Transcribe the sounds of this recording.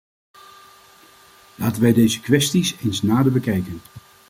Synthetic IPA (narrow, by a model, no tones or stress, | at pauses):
laːtənʋɛjdejzəkʋɛstisensnaːdəbəkɛjkən